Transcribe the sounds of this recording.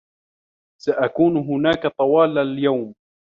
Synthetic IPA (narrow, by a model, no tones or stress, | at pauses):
saʔakuːnɦʊnaːkat̪ˤɑwɑːlaljawm